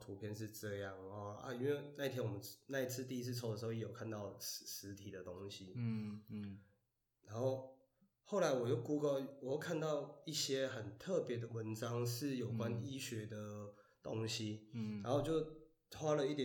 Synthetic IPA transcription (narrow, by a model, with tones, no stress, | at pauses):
t̪ʰu˧˥pʰjɛ˥˧nʂ̬ɻ̩˥˧ʈ͡ʂɤ˥˧jɑ˥˩ŋ˨˦a̰˥˧i˥nwe˥˩ɪna˥˧i˥t̪ʰjɛ˥nwɔ˨˩mə˦nna˥˧i˥t͡sʰɹ̩˥˧t̪i˥˧˥s̬̩ʰ˥˧t͡sʰo˥d̪ə˩ʂ̩̬˧˥˩je˨˥jo˨˩kʰa˥˧nt̪ɑ˥˩ʊ˨ʂɻ̩˧˦t̪ʰi˨˩d̪ə˩t̪o˦˥ŋɕi˦ | na˧˦˥nxo˥˧ʊ | xo˥˩ʊla˨˦ɪwɔ˨˩t͡ɕjo˥˩ʊku˥ko˥˩ʊwɔ˨˩jo˥˧ʊkʰa˥˧nt̪ɑ˥˧ʊi˥˩ɕjɛ˥xə˨˩nt̪ʰɤ˥˨pjɛ˧˥d̪ə˨wə˧˦nʈ͡ʂɑ˦ŋʂɻ̩˥˩jo˨˩ʊkwa˦ni˥ɕɥɛ˧˦d̪ə˨t̪o˦ŋɕi˦a˧˥nxo˥˧ʊt͡ɕjo˥˩ʊ | wa˥lə˨i˥˩t̪jɛ˨